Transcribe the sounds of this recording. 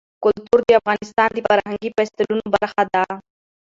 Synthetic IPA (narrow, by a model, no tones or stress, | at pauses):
kʊlt̪uɾd̪əafɣɑnɪst̪ɑnd̪əfaɾɦaŋɡifɛst̪əlunobaɾxad̪a